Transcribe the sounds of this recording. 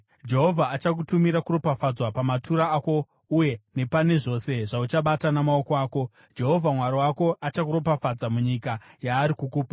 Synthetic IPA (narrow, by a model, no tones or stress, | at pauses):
d͡ʒe̞ɦo̞vʱaːt͡ʃak̬utumiɾakuro̞pafad͡zwapamatuɾaːko̞ | uje̞ne̞pane̞ʐo̞se̞ʐaut͡ʃaɓatanamaokoaːko̞ | d͡ʒe̞ɦo̞vʱamwaɾiwako̞at͡ʃakuɾo̞pafad͡zamuɲikajaːɾikukuːpḁ